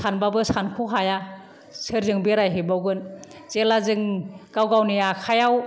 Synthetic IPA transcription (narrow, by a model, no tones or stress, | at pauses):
sanbabɯsankʰuɦaja | sɯɾzɯŋbeɾajɦebawɡɯn | t͡ʃelazɯŋɡ̥awɡawnijakʰajaw